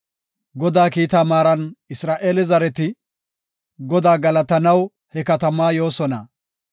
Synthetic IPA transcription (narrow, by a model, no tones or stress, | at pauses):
ɡɔd̪aːkiːt̪aːmaːɾɐnɪsɾaːʔe̞ːlɪzɐɾɛt̪ɪ | ɡɔd̪aːɡɐlɐt̪ɐnɐw | hɛkɐt̪ɐmaːjo̞ːsɔnɐ̰